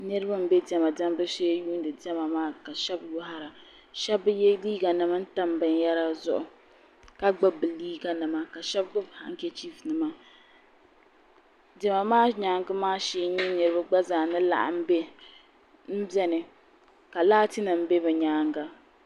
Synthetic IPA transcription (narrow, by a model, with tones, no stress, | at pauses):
nɨ˦ɾɨ˦ba˦m̩˦be˦dɛ˦ma˨da˦m˦bɨ˦se˦juː˦n˦dɨ˨dɛ˦ma˨maː˦ka˨ʃɛ˦bjʊ˦ɦa˦ɾa˨ | ʃɛ˦bɨ˦jɛ˦liː˦ɡa˨nɨ˨ma˦n̩˦ta˦m˨bɨ˨njɛ˦ɾa˦zʊ˦ʔʊ˨ | ka˦ɡ͡ba˦bɨ˨liː˦ɡa˨nɨ˨ma˦ka˨ʃɛ˦b̚ɡɨ˦bha̰˨ŋ̩˦kʲɛ˦t͡ʃi˦fnɨ˨ma˦ | dɛ˨ma˨maː˦ɲaː˨˦ŋɡɨ˦maː˦ʃiː˨˦ɲɛ˦nɨ˨ɾɨ˦ba˦ɡ͡ba˦zaː˨nɨ˦la̰˨ʔa̰˨m̩˦be˦ | m̩˦bɛ˦nɨ˨ | ka˨laː˦tɨ˦na˨m̩˦be˦bɛ˨ɲaː˦ŋɡa˦